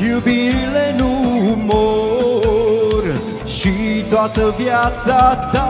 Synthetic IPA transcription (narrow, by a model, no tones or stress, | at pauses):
jubiɾilenumo | ɾ | ʃit̪oat̪əvjat̪sat̪a